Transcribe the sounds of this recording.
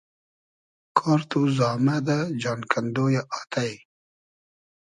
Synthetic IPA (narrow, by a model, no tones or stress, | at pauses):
kʰɑːɾt̪uzɑːmad̪ad͡ʒɑːnkʰand̪ojaʔat̪aj